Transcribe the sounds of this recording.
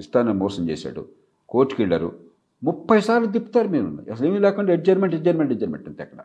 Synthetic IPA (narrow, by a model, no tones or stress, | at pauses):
ist̪aːnɐmɔːsɐmt͡ʃḛːsa̰ːɽṵ | koːʈːu̥kiɭːa̰ːɾṵ | mupːɐjsaːɾlud̪ipːu̥t̪aːɾumiːɾunːa̰jɐs̬ɐleːmilɛːkuɳɖaeʈ̚d͡ʒɐɾmeɳʈed͡ʒɐɾmeɳʈed͡ʒɐɾmḛɳʈɐnt̪eːkːɐna̰